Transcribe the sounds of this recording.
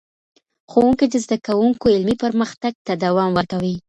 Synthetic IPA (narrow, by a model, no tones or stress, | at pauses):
xowuŋkid̪əzd̪akawuŋkoɪlmipəɾməxt̪aɡ̚t̪ad̪awɑmwəɾkawi